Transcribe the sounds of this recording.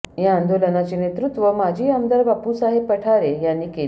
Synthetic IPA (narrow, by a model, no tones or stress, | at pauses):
ɦjaand̪olənat͡ɕenet̪ɾut̪ʋəmad͡ʑʱiːəmd̪aɾbapusaɦepəʈʰaɾejanːiːke